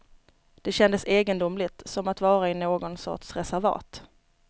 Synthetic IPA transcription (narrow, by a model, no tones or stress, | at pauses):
d̪̥ɛɕɛnd̪əseːɡənd̪ʊmlɪt̪sɔmat̪vɑːɾaɪnoːɡɔnsɔ̰ʈʂɾɛsæɾvɑ̰ːt̪